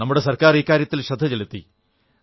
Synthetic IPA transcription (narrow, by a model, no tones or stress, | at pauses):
nɐmːuɽe̞sɐrkaːriːkːaːɾjɐt̪ːilɕɐd̪ʱːɐt͡ɕelut̪ːḭ